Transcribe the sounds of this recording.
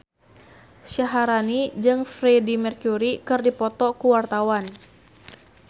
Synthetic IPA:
ʃaɦaɾanid͡ʒɨŋfɾɛdimɛrkjuɾikɨrdipɔt̪ɔkuwart̪awan

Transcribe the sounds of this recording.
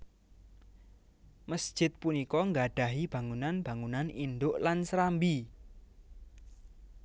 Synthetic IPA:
məsd̥ʒ̥ɪt̪̚punikɔŋɡaɖ̥a̤ɦib̥ä̤ŋunanb̥a̤ŋunanind̪ʊʔlansɾambi

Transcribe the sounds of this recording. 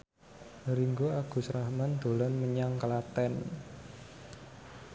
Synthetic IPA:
nəɾiŋɡoaɡ̥ṳsɾahmand̪̥o̤lɔnməɲaŋklat̪ɛn

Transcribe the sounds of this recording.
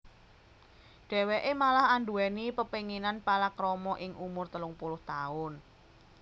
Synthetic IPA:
ɖ̥ɛ̤weʔemalahanɖuɛnipəpeŋinanpalakɾɔmɔʔɪŋʔumʊrt̪əlʊŋpulʊht̪aʊn

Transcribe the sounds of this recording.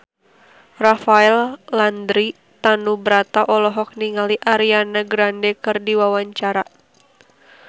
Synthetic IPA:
rafaɛlːand̪ɾi | t̪anubəɾat̪aʔɔlɔɦɔk̚niŋaliʔaɾianaɡɾandɛkɨrdiwawaɲt͡ʃaɾa

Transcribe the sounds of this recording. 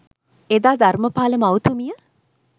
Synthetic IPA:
ed̪aːd̪arməpaːləmawt̪umijə

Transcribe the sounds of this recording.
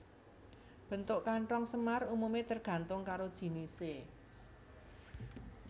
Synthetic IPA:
b̥ə̤nt̪ʊʔkaɳʈɔŋsəmarumumet̪ərɡ̥a̤nt̪ʊŋkaɾod̥ʒ̥i̤nise

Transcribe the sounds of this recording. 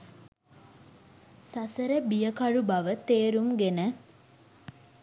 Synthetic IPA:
sasəɾəbijəkarubaʋət̪eːɾumɡenə

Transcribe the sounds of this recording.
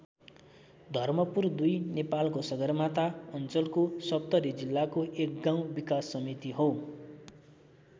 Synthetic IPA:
d̪ʱʌrmʌpurd̪ujnepalkosʌɡʌrmat̪aʌnt͡sʌlkosʌp̚t̪ʌɾid͡zilːakoʔek̚ɡãw̃bikasːʌmit̪iɦo

